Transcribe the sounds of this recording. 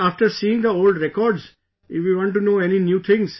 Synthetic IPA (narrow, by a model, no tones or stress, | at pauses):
aːfʈəɾsiːɪ̃ŋd̪əoːlɖɾɛkɔːɾɖz | ɪfʋiʋɔ̃ːɳʈ̬unoːɛninjuːt̪ʰɪ̃ŋz̥